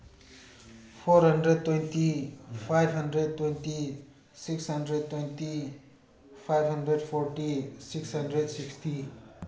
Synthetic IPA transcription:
pʰoɾɦʌnɖred̪̚t̪wejnt̪ipʰajbʱɦʌnɖɾed̪̚t̪wejnt̪i | siksɦʌnɖɾed̪̚t̪wejnt̪i | pʰajbʱɦʌndreɖpʰoɾʈisiksɦʌnɖɾedsiksʈi

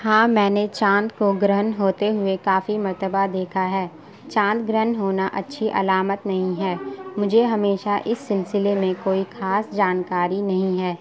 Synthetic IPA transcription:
hãːmɛ̃ːnet͡ʃãːnt̪koɡɾəɦənɦoːt̪eɦʊekaːfimɐɾt̪əbad̪eːkʰaɦɛː | t͡ʃãːnt̪ɡɾəɦənɦoːnaʔɐtːʃʰiʔɐ̰laːmət̪nɐɦĩɦɛːmʊd͡ʒʱeɦɐmeːʃaʔɪsːɪlsɪlemẽkoːixaːsd͡ʒaːnkaːɾinɐɦĩɦɛː

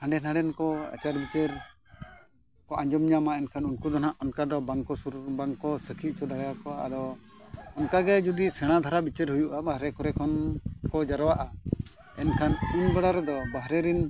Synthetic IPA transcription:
hãɳɖɛnãɳɖɛnkɔa̰t͡ʃaɾbit͡ʃɛɾ | kɔʔaɲd͡ʒɔmɲamaɛnkʰanunkud̪ɔnaʔɔnkad̪ɔbaŋkɔsuɾbaŋkɔsəkʰiʔ̚t͡ʃɔd̪aɡakɔwaʔa̰d̪ɔ | ɔnkaɡɛd͡ʒud̪isɛɽ̃ad̪ʱaɾabit͡ʃɛɾɦujuʔabaɦɾɛkɔɾɛkʰɔnkɔd͡ʒaɾɔwaʔa | ɛnkʰanunbɛɽaɾɛd̪ɔbaɦɾɛɾɛn

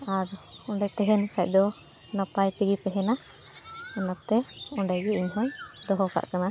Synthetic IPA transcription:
aɾɔɳɖajt̪ɛɦɛnkac̚ˀd̪ɔ | napajt̪iɡipɛɦɛna | ɛnat̪ːɛɔɳɖajɡɛiɲɦɔnd̪ɔɦɔka̰ʔkana

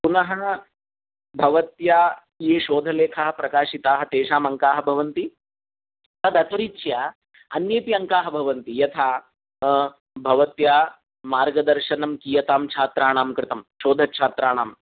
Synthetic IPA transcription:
punɐɦɐ | bʱɐʋɐt̪jaː | jeːʃoːd̪ʱɐleːkʰɐɦɐpɾɐkaːʃit̪aːɦɐt̪eːʃaːmɐŋkaːɦɐbʱɐʋɐnt̪i | t̪ɐd̪ɐt̪ɐɾit͡ʃja | ɐnjeːpiɐŋkaːɦɐbʱɐʋɐnt̪ijɐt̪ʰaː | bʱɐʋɐt̪jaː | maːɾɡɐd̪ɐɾʃɐnɐmkijɐt̪aːmt͡ʃʰaːt̪ɾaːɳaːmkɾɪt̪ɐmʃoːd̪ʱɐt͡ʃʰaːt̪ɾaːɳaːm

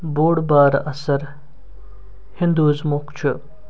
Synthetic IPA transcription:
boːɽbaːɾɐsɐɾ | hind̪uːzmukt͡ʃʰu

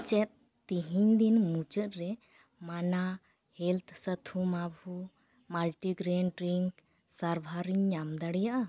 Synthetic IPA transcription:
t͡ʃɛt̪̚ | t̪iɦiɲd̪inmut͡ʃət̪̚ɾɛ | mana | hɛlt̪ʰsət̪ʰumabʱu | malʈiɡɾeɳɖɾiŋk | saɾbʱaɾiɲɲamd̪aɽjaʔa

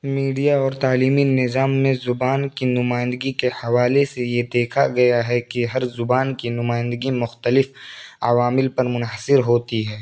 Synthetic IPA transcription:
miːɖijaɔːɾt̪aːliːminɪzaːmːẽzʊbaːnkinʊmaːɪ̃nd̪əɡikehɐʋaːlesejed̪eːkʰa̰ɡɐjaɦɛkiɦɐɾzʊbaːnkinʊmaːɪ̃nd̪əɡimʊxt̪əlɪfɐ̰ʋaːmɪlpɐɾmʊnɦəsɪɾɦoːt̪iɦɛː

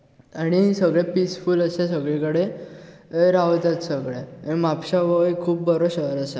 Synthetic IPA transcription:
añiɦĩsəɡɭepisfuːləses̬əɡɭikəɽe | ɾaʋt̪jat͡ssəɡɭẽmapɕaʋəikʰuːp̚bəɾoɕəɾəsa

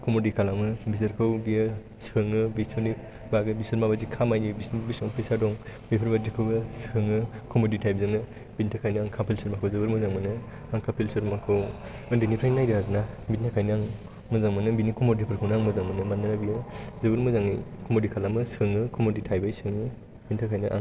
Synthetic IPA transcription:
kɔmodikʰalamɯbizɯɾkʰɯwbijɯ | sɯŋɯbisɔni | baɡɯbisɯɾmabazikʰamajnibisnbisɔŋpʰesadɔŋbipʰɯɾbadikʰɯwbɯsɯŋɯkɔmoditʰajbzɯŋnɯ | bintʰakʰajnaŋkʰapʰilsɯɾmakʰɯwzɯbɯɾmɯzaŋmɯnɯ | aŋkʰapʰilsɯɾmakʰɯw | ɯndinipʰɾajnːajdɯɦaznabitnʰakʰajnɯaŋ | mɯzaŋmɯnɯbinikɔmodipʰɯɾkʰɯwnaŋmɯzaŋmɯnɯmanːanabijɯzɯbɯɾmɯzaŋɯjkʰɔmodikʰalamɯsɯŋɯkʰɔmoditʰajbajsɯŋɯ | bintʰakʰajnɯʔa̰ŋ

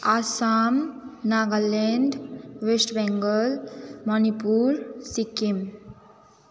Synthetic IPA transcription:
asamnaɡaleɳɖʋesʈbɛ̃ŋɡəlmɔnipuːɾsikːim

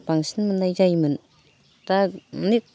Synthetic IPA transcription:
paŋsinmɯnːajd͡ʒajmɯn | tanik̚

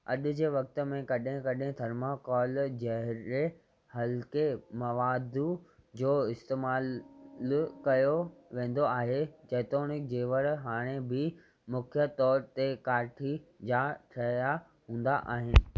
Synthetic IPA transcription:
ɐ̰ɗʊ̆d͡ʑeːʋɐk̚t̪̆mẽkɐɗɦẽkɐɗɦẽt̪ʰɐɾmakɔːld͡ʑɐɦɾe | hɐlkemɐʋaːd̪ud͡ʑoːɪst̪eːmaːl | kɐjoʋẽːn̆d̪oaːɦed͡ʑɐːt̪oːnɪk̚d͡ʑeːʋəɾɦaːɽ̃ebɪ | mʊkʰjət̪ɔːɾt̪ekaːɾʈʰid͡ʑaːʈʰɐja | ɦũːn̆d̪a̰ʔa̰ːɦɪnɪ̆

